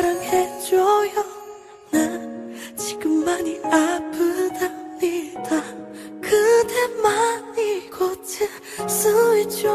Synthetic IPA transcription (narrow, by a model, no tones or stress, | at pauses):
ɾɯŋhed͡ʑojʌ | na | t͡ɕi̥ɡɯmːaɲiapʰɯdamɲid̥a | kɯd̪emaniɡʌt͡ɕʰe | sʰɯit͡ɕo